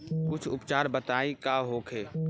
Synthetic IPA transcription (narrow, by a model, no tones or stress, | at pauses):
kʊt͡ʃʰʊpt͡ʃaːɾbət̪aːikaɦoːkʰeː